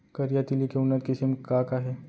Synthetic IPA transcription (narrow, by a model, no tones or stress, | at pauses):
kɐɾijat̪ilikeʊnːət̪kɪsimkaːkaɦɛː